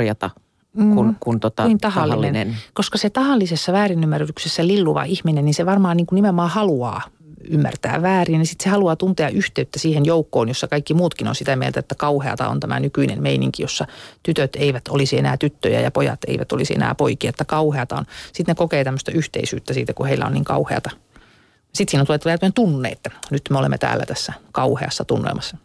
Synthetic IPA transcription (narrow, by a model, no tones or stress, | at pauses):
jɑt̪ɑː | kunkunt̪ot̪ɑint̪ɑhɑlːilːenenkoskɑset̪ɑhɑlːisesːɑʋæːrinymːæryt̪yksesːælilːuʋɑ̰ihminenninseʋɑrmɑːniːŋkunnimemːɑːhɑluɑ̰ː | ymːæ̰rt̪æ̰ːʋʋæːrinisit̪sehɑluɑːt̪unt̪eɑʔyht̪eyt̪ːæsiːhenjoukːo̰ːnjosːɑkɑikːimuːt̪kino̰nsit̪æmiḛlt̪æet̪ːækɑuheɑ̰t̪ɑ̰o̰nt̪æmæ̰nykyinḛmmeinḭŋkijosːɑt̪yt̪øt̪eiʋæt̪olisienæːt̪yt̪ːøjæ̰jɑpojɑ̰t̪ḛiʋæt̪olisiḛnæ̰ːpoikiɑet̪ːækɑuheɑt̪ɑonsit̪nekokeːt̪æmːøst̪ɑyht̪ḛisy̰ːt̪ːæsiːt̪ækuheilːæ̰o̰niːŋkɑ̰uheɑ̰t̪ɑ | ɑsit̪siːnont̪ulet̪ːʋeæt̪yent̪unːḛːet̪ːænyt̪meolḛmːḛt̪æ̰ːlːæ̰t̪æsːækɑuheɑsːɑt̪unːḛlmɑsːɑ